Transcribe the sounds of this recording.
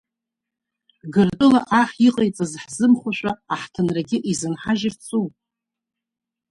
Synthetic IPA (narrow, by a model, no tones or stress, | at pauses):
ɡɨrtʼɨlaʔaχʲiqʼejt͡sʼazħzɨmχʷaʃᶣʷaaħtʰɨnraɡʲɪʔizɨnħaʒɪft͡sʰʼupʼ